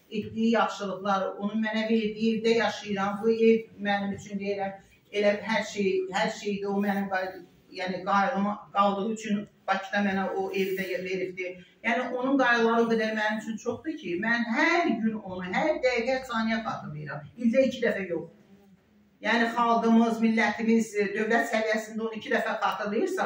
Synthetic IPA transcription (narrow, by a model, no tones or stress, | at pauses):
et̪d̪ijijɑχʃɯlˠɯχlˠɑɾo̞nunmænæve̞ɾd̪iievd̪æjɑʃɯjɯɾɑmbue̞vmænimyt͡ʃʰynd̪ejiɾæm | e̞læɦæɾʃejhæɾʃejid̪iomænimɡɑ | jæːniɡɑjlɯmɡ̥ɑlˠd̪ɯʁuyt͡ʃʰynb̥ɑcʰid̪ɑmænæoʔevd̪æjve̞ɾiɾd̪ijæːniʔo̞nunɡɑjd̪ɯlˠɑɾɯɡ̪ed̪æɾmænimyt͡ʃʰynt͡ʃʰo̞χd̪ɯcʰimænɦæɾɟyno̞nuɦæɾd̪æɡæsɑːnijɑχɑːt̪ʰɯɾlˠɯjɯɾɑmind̪æicʰid̪æfæjo̞χ | jæːniχɑlˠɡ̪ɯmɯzmilːæt̪ʰimizd̪ø̞vlæt̪sævijæsind̪æo̞nuicʰid̪æfæχɑːt̪ʰɯɾlˠɯjɯɾsɑ